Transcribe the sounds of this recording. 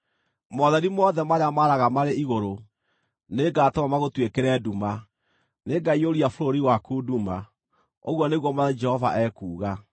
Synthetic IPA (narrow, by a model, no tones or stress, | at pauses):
mɔðɛɾimɔðɛmaɾeamaɾaɣamaɾeiɣoɾo | neɡaːtɔmamaɣotwekɛɾɛːduma | neɡaioɾiafoɾoɾiwakuːduma | o̰ɣwɔneɣwɔmad͡ʒɛhɔva̰ʔɛːkuːɣa